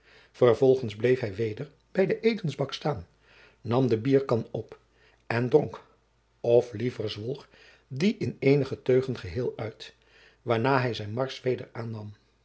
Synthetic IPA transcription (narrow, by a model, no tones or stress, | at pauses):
v̥əɹvɔlˠχənzblejfɦɛjʋejdəɹ | b̥ɛjdəʔeːjtənzbɑkstaːnː | ɑmdəbiːɹkɑnɔp | ɛndrɔŋk | ɔflivəɹzʋɔlˠχ | diʔɪnejnəχətøɥχənχəɦɪːlˠœɥt | ʋaːɹnaːɦɛjzɛjnmɑɹsʋejdəɹaːnːɑm